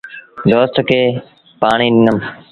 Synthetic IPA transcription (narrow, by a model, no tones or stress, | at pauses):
d̪oːst̪keː | paːɳiːnɪnəm